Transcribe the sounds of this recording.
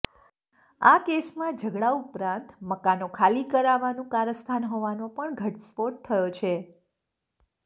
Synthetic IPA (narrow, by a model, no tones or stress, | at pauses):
akesmãd͡ʒʱəɡɭaupɾãnt̪məkanokʰalikəɾaʋanũkaɾəst̪ʰanɦoʋanõpəɳɡʱəʈspoʈ̚t̪ʰːəjot͡ʃʰe